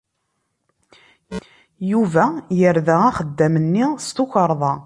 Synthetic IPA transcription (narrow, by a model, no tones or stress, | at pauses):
juvæjəɾðææχəd̪ːæmənːist̪uçəɾˤðˤɑ